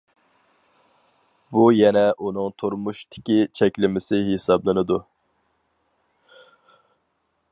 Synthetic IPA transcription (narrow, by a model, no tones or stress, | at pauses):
bujɛnɛʔunuŋt̪ʰoɾmuʃt̪ʰɪ̥kʲit͡ʃʰɛkʲlɪmɪsɪɦesɑblˠɨnɨd̪u